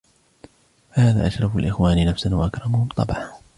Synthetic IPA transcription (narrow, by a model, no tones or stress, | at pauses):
fahaːða̰ːʔaʃɾˤɑfalʔɪxwaːnɪnafsanwaʔakɾˤɑmʊhʊmt̪ˤːɑ̰bʕa